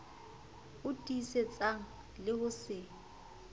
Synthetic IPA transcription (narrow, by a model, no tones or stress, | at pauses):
ʊtʼiset͡sʼaŋ̩ | lɪhʊsɪ